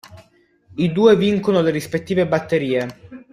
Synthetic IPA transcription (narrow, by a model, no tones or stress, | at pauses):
id̪uːeviŋkonoleɾispet̪ːiːvebat̪ːeɾiːe